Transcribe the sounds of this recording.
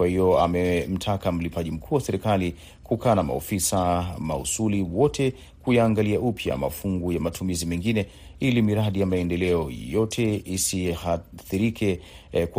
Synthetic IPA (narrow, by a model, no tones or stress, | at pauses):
wahiɔamɛm̩tʰakam̩lipaʄim̩kʰuːwasɛɾikali | kukʰaːnama̰o̰fisama̰ṵsuliwɔtʰɛ | kujaːŋɡaliaupʰja̰ma̰fuŋɡujamatʰumizimɛŋɡinɛ | ilimiɾaɗijamaɛndɛlɛɔjɔtʰɛisihaθiɾikʰɛ | k